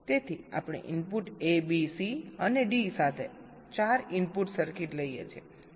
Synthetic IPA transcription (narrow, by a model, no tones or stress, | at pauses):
t̪et̪ʰia̰pɽ̃ḛʔinpuʈebisiəneɖisat̪ʰe | t͡ʃaɾinpuʈsəɾkiʈləijḛt͡ʃʰie